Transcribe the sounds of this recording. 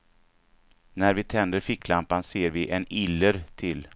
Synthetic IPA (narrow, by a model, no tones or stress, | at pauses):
næɾvɪt̪ʰɛnd̪əɾfɪkːlampanseːɾvɪʔɛnɪlːəɾt̪ʰɪl